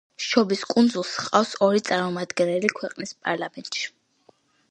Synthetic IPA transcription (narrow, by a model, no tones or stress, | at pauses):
ʃɔbiskʼund̪zulˠsχqʼafsɔɾit̪sʼaɾmɔmad̪ɡɛnɛlikʰwɛqʼnispʼaɾlˠamɛnt̪ʼʃi̥